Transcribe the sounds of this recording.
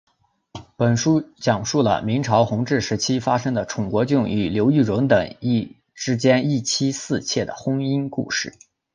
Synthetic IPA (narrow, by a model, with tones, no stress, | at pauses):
pə˨˩nʂu˥t͡ɕjɑ˨˩ŋʂu˥˩lə̰˩mi˧˥ŋʈ͡ʂʰɑ˧˥ʊxʊ˧˥ŋʈ͡ʂɻ̩˥˩ʂɻ̩˧˥t͡ɕʰi˥fa˥ʂɤ˥ŋd̪ə˨ʈ͡ʂʰʊ˨˩ŋkwɔ˧˥t͡ɕju˥˩ŋy˨˩ljo˧˥ʊy˥˩ɻʊ˧˥ŋt̪ə˨˩˦ŋi˥˩ | ʈ͡ʂɻ̩˥t͡ɕjɛ˥ni˥˩t͡ɕʰi˥sɹ̩˥˧t͡ɕʰjɛ˥˩d̪ə̰˩xʊ˥ŋi˥nkṵ˥˧ʂɻ̩˥˩